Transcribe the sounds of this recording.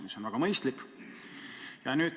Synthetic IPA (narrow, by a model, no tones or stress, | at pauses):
miso̞nvæɡɑmɤjst̪lik | jɑnyːd̥̪